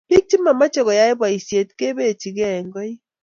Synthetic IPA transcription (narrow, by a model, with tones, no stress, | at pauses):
bi˦k̚ti˦ma˨ma˦t͡ʃe˨ɣɔ˨ja˦i˦bwa˨i˨sje˨tke˦βe˦˨t͡ʃi˨ɣɛ˨ŋɡɔ˦i˦